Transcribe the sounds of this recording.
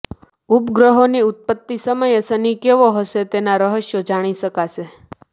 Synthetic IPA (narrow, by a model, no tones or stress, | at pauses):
upɡɾəɦoniut̪̚pət̪ːisəməjesənikeʋoɦəʃet̪enaɾəɦəʃjod͡ʒaɽ̃iʃəkaʃe